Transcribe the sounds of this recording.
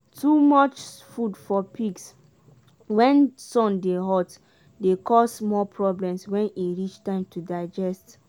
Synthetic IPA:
tumɔt͡ʃfudfɔpiks | wɛ̃nsɔ̃ndeɦɔt | dekɔsmɔpʰɹɔblɛ̃mswɛ̃niɹit͡ʃtãɪ̃mtʰudaɪd͡ʒɛst

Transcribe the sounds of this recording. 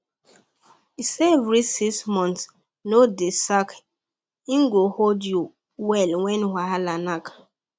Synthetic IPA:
isevɾisismɔ̃nt | nodesak | iŋɡoholdju | wɛlwɛ̃nwahalanak

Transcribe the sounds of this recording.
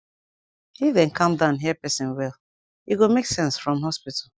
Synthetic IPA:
hiðɛ̃nkʰãmdãʊ̃nɦɛpɛsĩnwɛl | jiɡomeksɛ̃nsfɹɔ̃mɦɔspitʰal̩

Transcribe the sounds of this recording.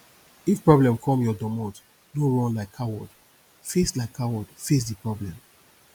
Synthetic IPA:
ifpɹɔblɛ̃mkʰɔ̃mjɔdɔmɔt | noɹɔ̃nlaɪkʰːawɔd̥ | feslaɪkʰːawɔdfes̬dipɹɔblɛ̃m

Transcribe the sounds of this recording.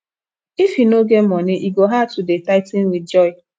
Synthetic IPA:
ifinoɡem̩mɔnɪʔiɡoɦatudetaɪtin̩wid͡ʒɔɪ

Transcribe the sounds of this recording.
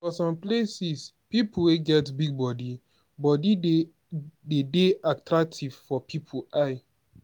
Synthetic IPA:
fɔsɔ̃mplesis | pipʰuweɡɛtbiɡ̚bɔdi | bɔdi | dedeʔak̚tʰɹak̚tʰiv̥fɔpʰipʰuʔaɪ

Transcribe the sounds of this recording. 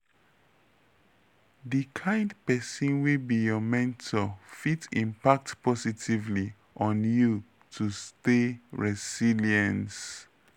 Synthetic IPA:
dikʰãɪ̃ndpɛsɔ̃nwibijɔmɛ̃ntʰɔfitĩmpak̚tpʰɔsitivli | ʔɔ̃nju | tʰusteɹɛsiliə̃ns

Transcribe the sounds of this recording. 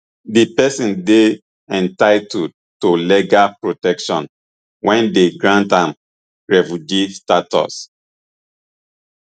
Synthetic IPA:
dipɛsĩnde | ɛ̃ntaɪtud̚ | toleɡapɹotɛkʃɔ̰̃n | wʔɛ̃ndeɡɹãntãm | ɹɛfud͡ʒistatɔ̰s

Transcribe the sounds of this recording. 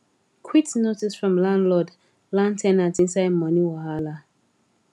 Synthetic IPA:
kʰwitnotisfɹɔ̃mlãndlɔd | lãntʰɛnatĩnsaɪdmɔniwahala

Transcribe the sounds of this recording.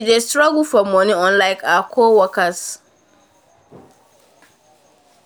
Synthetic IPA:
destɾaɡufɔmɔ̃nɪ̃ɔ̃nlaɪkʰakʰoːwɔkas

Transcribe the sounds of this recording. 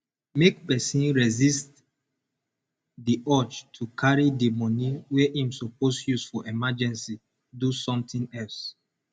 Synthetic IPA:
mek̚pɛsĩnɹɛzist | diʔɔt͡ʃtʰukʰaɹidimɔ̃niwɛʔĩmsoposjusfɔʔɛmad͡ʒɛ̃nsi | dusɔ̃mtʰĩnɛls

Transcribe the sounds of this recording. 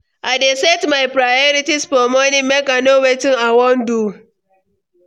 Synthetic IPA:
ʔadesɛtmajpɾajɔɾitispɔmonɪmekanowetɪŋawɔndu

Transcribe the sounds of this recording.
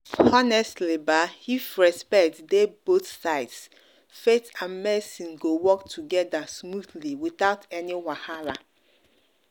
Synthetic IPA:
ɔnɛstlibahifɹɛspɛktdeboθsaɪts | fetʰãnmɛsiɡowɔktʰuɡɛdasmudliwiθaʊtʰɛniwahaɹa

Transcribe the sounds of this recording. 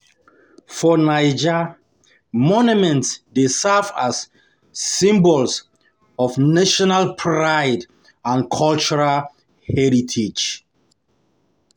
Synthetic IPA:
fɔnajd͡ʒa | mɔnjumɛ̃ntsdesɛvasː | ĩmbɔls | ɔfnaʃɔnalpʰɹaɪd | ãnkʰɔlt͡ʃɔɹal | hɛɹitʰid͡ʒ

